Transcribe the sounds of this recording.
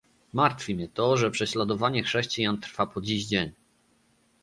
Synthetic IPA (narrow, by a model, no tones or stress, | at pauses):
maɾt̪fʲimʲɛt̪ɔʐɛpʂɛɕlad̪ɔvaɲɛxʂɛɕt͡ɕijant̪ɾfapɔd͡ʑiʑd͡ʑeɲ